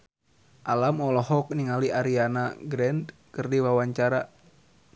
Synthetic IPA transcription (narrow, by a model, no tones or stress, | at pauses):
ʔalamɔlɔɦɔk̚niŋaliʔaɾianaɡɾɛnd̪ | kɨrdiwawaɲt͡ʃaɾa